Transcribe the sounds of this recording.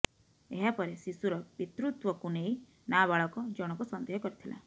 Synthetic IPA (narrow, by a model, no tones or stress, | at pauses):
eɦapɔɾesisuɾɔbit̪ɾut̪wɔkunej | naβaɭɔkɔd͡ʒɔɽ̃ɔkusɔnd̪eɦɔkɔɾit̪ʰilʔa̰